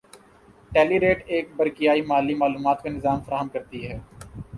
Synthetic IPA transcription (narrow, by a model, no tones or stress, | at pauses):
ʈɛːliɾeːʈeːk̚bɐɾkijaːimaːlːimaːluːmaːt̪kenɪzaːmfɐɾaːɦəmkɐɾt̪iɦɛː